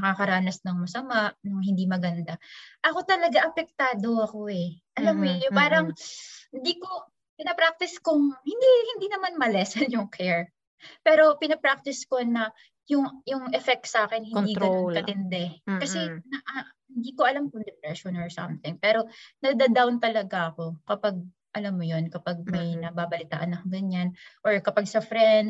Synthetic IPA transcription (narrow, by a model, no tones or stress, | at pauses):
nɐkakɐɾaːnɐsnɐŋmɐsɐmaʔnʊhɪnd̪iːmɐɡɐnd̪aʔɐko̞t̪ɐlɐɡaʔɐpɛk̚t̪aːd̪oɐkoʔɛʔɐlamːojpaːɾɐŋhɪnd̪iːko̞ | pɪnɐpɾak̚t̪ɪskʊŋhɪnd̪ihɪnd̪iːnɐmanmɐlɛːsɐnjʊŋkʰɛɹ | pɛːɾo̞pɪnɐpɾak̚t̪ɪsko̞nɐ | jʊŋjʊŋʔɛfɛk̚t̪sʔaːkɛnhɪniːɡɐokɐt̪ɪnd̪ɛkɐsɛnɐʔahɪnd̪iːkoʔɐlamk̪ʊŋd̪ɛpɾɛʃonɔɹsɐ̰mθɪŋpɛːɾo̞nɐd̪ad̪awnt̪ɐlɐɡaʔɐko̞kɐpaɡ̚ | ʔɐlamːojo̞nkɐpaɡ̚mɐjnɐbaːbɐlɪt̪a̰ːʔɐnɐkɡɐɲanʔoɹkɐpaɡ̚sɐfɾɛnd̪̚